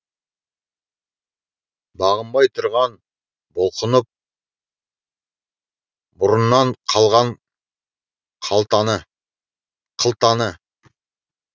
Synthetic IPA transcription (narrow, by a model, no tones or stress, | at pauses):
bɑʁəmbɑjt̪ʰʊɾʁɑn | bolˠqʰənəp̚ | bʊɾənːɑɴqʰɑlˠʁɑɴ | qʰɑlˠt̪ɑnə | qʰəlˠt̪ɑnə